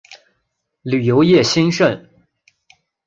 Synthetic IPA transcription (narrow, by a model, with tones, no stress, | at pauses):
ly˨˩jo˧˥ʊjɛ˥˩ɕi˥nʂə˥˩n